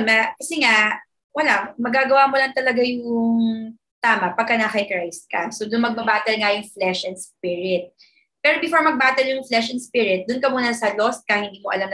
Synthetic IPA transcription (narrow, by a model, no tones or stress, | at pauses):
nɐkɐsɛŋa | wɐlamɐɡaːɡɐwaːmʊlɐŋt̪ɐlɐɡajʊŋ | t̪aːmɐpɐɡ̚kɐnakɐjkɹajst̪̚kɐ̰sod̪ʊnmɐɡ̚bɐbaːt̪ɛlŋajʊŋflɛʃʔɛnspɪɹɪt̪̚ | pɛːɾobɪfoɹmɐɡ̚baːt̪ɛljʊŋflɛʃɛnspɪɹɪt̪̚d̪ʊnkɐmuːnɐsɐlost̪̚kahɪnd̪iːmoʔɐ̰lamn